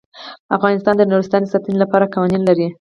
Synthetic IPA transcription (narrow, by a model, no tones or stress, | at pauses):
afɣɑnɪst̪ɑnd̪ənuɾɪst̪ɑnd̪əsɑt̪ənilapɑɾakawɑninlaɾi